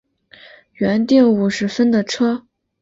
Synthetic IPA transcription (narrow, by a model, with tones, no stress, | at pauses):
ɥɛ˧˥nt̪i˥˩ŋu˨˩ʂɻ̩˧˥fə˥nd̪ə˨ʈ͡ʂʰɤ˥